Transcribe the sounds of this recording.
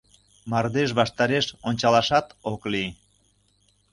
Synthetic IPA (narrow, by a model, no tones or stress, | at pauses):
mɑrd̪eʃ̬βɑʃt̪ɑɾeʃonʲt͡ɕɑlɑʃɑt̪okli